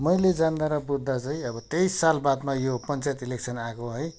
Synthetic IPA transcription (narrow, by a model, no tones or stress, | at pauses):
mʌjled͡zand̪aɾʌbud̪ʱːat͡saĩʌbʌt̪ejsalbad̪majopʌnt͡sajt̪ilek̚sʰʌnakoɦʌj